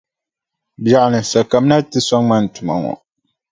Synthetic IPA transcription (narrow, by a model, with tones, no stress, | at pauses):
bja˨ʔnɨ˨sa˨ka˨m˦na˦tɨ˦sɔ˦ŋma˦n˨tʊ˨ma̰˨ŋɔ̰˨